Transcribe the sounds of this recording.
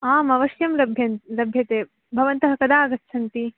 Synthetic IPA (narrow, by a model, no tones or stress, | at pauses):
aːmɐʋɐʃjɐmlɐbʱjɐnlɐbʱjɐt̪eː | bʱɐʋɐnt̪ɐɦɐkɐd̪aːɐɡɐtt͡ʃʰɐnt̪i